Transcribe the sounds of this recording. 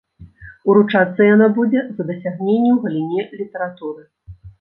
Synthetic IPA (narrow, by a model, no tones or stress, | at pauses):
uɾut͡ʂat̪sːɐjanabud͡zʲɛzɐd̪ɐsʲaɣnʲenʲːɛwɣɐlʲinʲɛlʲit̪ɐɾat̪uɾɨ